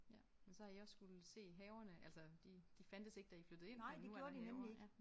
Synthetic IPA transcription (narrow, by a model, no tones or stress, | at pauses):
mensɒ̽hɑ̈iɒ̽sːɡ̥ulse̝̰ːɦɛːʊɐnəʔæl̰sɐd̥id̥ifæn̰d̥əse̝ɡ̥əd̥æiflød̥ð̩ˠe̝nɪ̰dn̥eu̥oɐd̥inemmlieɡ̥